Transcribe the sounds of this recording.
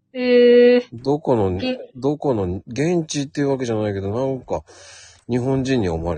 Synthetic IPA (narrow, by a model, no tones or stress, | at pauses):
ed̪o̞ko̞no̞d̪o̞ko̞no̞ɡẽ̞ɲt͡ɕit̪ːe̞iɯ̟βake̞ʑanaike̞d̪onãŋka | ɲ̟iɦõ̞ɲ̟d͡ʑĩɲ̟ːio̞̰maɾe